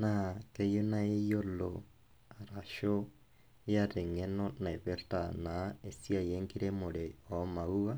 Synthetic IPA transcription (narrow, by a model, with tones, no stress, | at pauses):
nake˦jo˦na˦e˦jo˦lo | a˨ɾa˨ʃo | jaɾe˨ŋe˦nona˨e˨βe˦ɾtanae˨si˦a˨jeŋɡi˦ɾe˦mo˨ɾeɔmaua